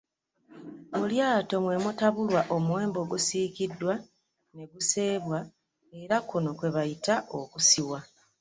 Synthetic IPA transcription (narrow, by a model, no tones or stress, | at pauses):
muljaːto̞mwe̞mutaβulwaʔo̞muwe̞ːmbo̞ɡusiːkidːwa | ne̞ɡuse̞ːβwa | e̞ɾakuno̞kwe̞βajitaʔokusiwa